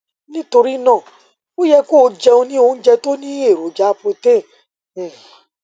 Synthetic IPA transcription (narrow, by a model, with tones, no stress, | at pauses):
nĩ˦to˧ɾi˦nãː˦˨ | o˦jɛ˧ko˦˧˦d͡ʒɛ˧o˧nĩ˦o˧n̩˦d͡ʒɛ˧to˦nĩ˦e˦˨ɾo˨˦d͡ʒa˦po˧tẽ˦˨